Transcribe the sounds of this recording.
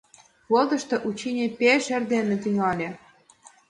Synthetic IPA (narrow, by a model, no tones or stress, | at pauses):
βɤld̪ɤ̆ʃt̪ɤ̆ʔut͡ɕinʲepʲeʃɘ̆rd̪enĕt̪yŋɑlʲĕ